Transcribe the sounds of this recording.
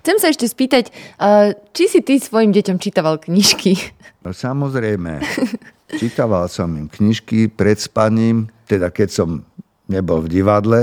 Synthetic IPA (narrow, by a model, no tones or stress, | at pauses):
xt͡sɛmsaɛʃcɛspiːt̪acː | t͡ʃisit̪isʋɔjimɟɛcɔmt͡ʃit̪aʋalkɲiʃkiɔsamɔzɾɛjmɛ̰ | t͡ʃit̪aʋalsɔmimkɲiʃkipɾɛt̪spaɲiːmt̪ɛd̪akɛcsɔm | ɲɛbɔlvɟiʋad̪lɛ